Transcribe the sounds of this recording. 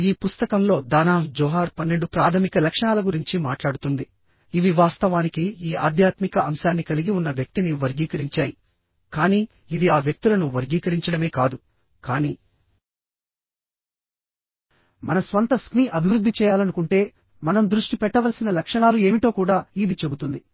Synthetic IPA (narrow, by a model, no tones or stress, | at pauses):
iːpust̪ɐkɐmlo̞ːd̪aːnaːfd͡ʒɔːɦaːɾpɐnːe̞ɳɖupɾaːt̪ʰɐmikɐlɐkʂɐɳaːlɐɡuɾiɲt͡ʃimaːʈlaːɽut̪und̪i | iʋiʋaːst̪ɐʋaːnikiiːaːd̪ʱjaːt̪mikɐɐmʃaːnːikɐliɡiunːɐʋjɐk̚t̪iniʋɐɾɡiːkɐɾiɲt͡ʃaːji | kaːniː | id̪iaːʋjɐk̚t̪ilɐnuʋɐɾɡiːkɐɾiɲt͡ʃɐɽɐme̞ːkaːd̪u | kaːniː | mɐnɐsʋɐnt̪ɐskniːʔɐbʱiʋɾud̪ʱːit͡ʃɛːjaːlɐnukuɳʈe̞ː | mɐnɐmd̪ɾuʂʈipɛʈːɐʋɐlsinɐlɐkʂɐɳaːlue̞ːmiʈo̞ːkuːɽaːid̪it͡ʃe̞but̪und̪i